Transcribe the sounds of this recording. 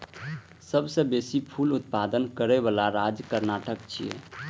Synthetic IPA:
səbsə̃besipʰulut̪̚pad̪ənkəɾɛβalaɾad͡ʒkəɾnaʈəkt͡ʃʰḭjḛ

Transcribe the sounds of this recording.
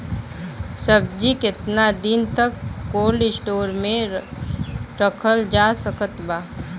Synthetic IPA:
səb̚d͡ʒikɪt̪nad̪ɪnt̪əkːoːlɪsʈoːɾmẽ | ɾəkʰəld͡ʒaːsəkət̪baː

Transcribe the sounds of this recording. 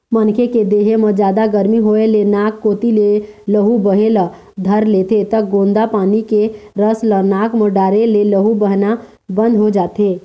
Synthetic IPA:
mənkʰeked̪eːɦemə̃d͡ʒjaːd̪aɡəɾmiɦoːelenaːkːoːt̪ileləɦubəɦelə | d̪ʱəɾleːt̪et̪əɡõːnd̪apaːnikeɾəslənaːkmoɖaːɾeleləɦubəɦna | bə̃nd̪ʱɦod͡ʒaːt̪eː

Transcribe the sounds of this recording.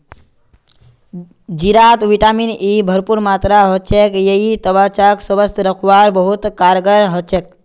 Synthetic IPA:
d͡ʒiɾat̪ʋiʈaminibʱəɾpuɾmat̪ɾaɦɔt͡ʃʰekjəɦit̪əbat͡ʃaksəʋəst̪ɾəkʰʋaɾbəɦut̪kaɾɡəɾɦɔt͡ʃʰek

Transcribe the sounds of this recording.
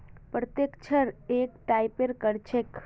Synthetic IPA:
pɾət̪jekt͡ʃʰəɾekʈaipeɾkəɾt͡ʃʰek

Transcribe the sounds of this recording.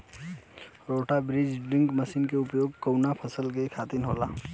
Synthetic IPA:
ɾoːʈabɾɪd͡ʒɖɪ̃ŋkməsiːnkeʊpjoːɡkownapʰəsəlkekʰaːt̪ɪnɦoːlaː

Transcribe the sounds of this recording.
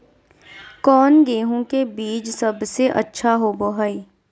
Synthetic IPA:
kɔːnɡeːɦõkebiːt͡ʃsɐbseʔə̰tːʃʰaɦoboɦaːiː

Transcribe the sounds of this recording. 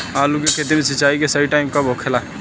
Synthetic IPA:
aːlukeket̪̬imisɪt͡ʃaːikesɐiʈaːɪmkabʱɔkʰela

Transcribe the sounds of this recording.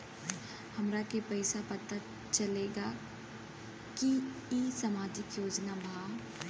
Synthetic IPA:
hɐmɾakepɛɪsapɐt̪a | t͡ʃɐleːɡa | ki | isamaːd͡ʒɪkjoːd͡ʒnabʱaː

